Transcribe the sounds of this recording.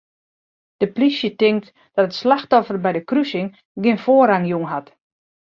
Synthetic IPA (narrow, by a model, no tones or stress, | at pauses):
d̥əplisjətɪŋkt | d̥ɔtətslaxtɔfərbɛjdəkrysɪŋ | ɡɪnfoːəraŋjuŋɦat